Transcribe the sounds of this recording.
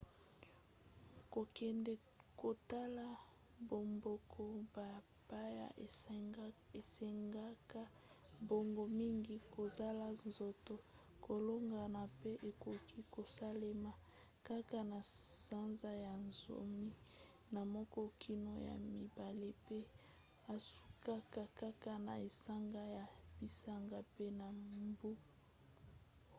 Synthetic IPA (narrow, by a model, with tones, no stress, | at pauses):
ko˨kɛ˨ndɛ˨ | ko˨ta˦la˦ | bo˨mbo˨kʰɔ˦ba˨ | pa˦ja̰˦ʔ | e˨se˨ŋɡa˦ka˦ | bo˨ŋɡo˨mi˦ŋɡi˦ko˨za˦la˨nzo˨to˨ | ko˨lo˦ŋɡa˨na˨pe˦ʔe˨ko˨kʰi˦ko˨sa˦le˦ma˨ | ka˦ka˨na˨sa˦nza˦ja˨nzo̰˨mi˦ | na˨mɔ˦kɔ˦kʰi˦no˨ja̰˨mi˨ba˨le˦pe˦ | a˨su̥˦ka˦ka˦ka˦ka˦na̰˨e˨sa˦ŋɡa˦ja˨b̥i˨sa˦ŋɡa˦pe˦na˨mbu˦